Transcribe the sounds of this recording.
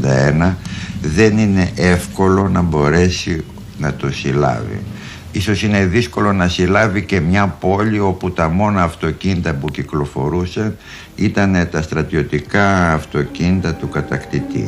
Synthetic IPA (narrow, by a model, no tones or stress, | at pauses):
d̪ɐ̰enɐðe̞nine̞ʔe̞fko̞lo̞nɐbo̞ɾe̞si | nɐt̪o̞silɐ̰vḭ | iso̞sine̞ðisko̞lo̞nɐsilɐvice̞mɲɐpo̞lio̞put̪ɐmo̞nɐːft̪o̞cinit̪ɐpuciklo̞fo̞ɾusɐn | it̪ɐne̞t̪ɐst̪ɾɐt̪io̞t̪ikɐːft̪o̞cinit̪ɐt̪ukɐt̪ɐkt̪it̪ḭ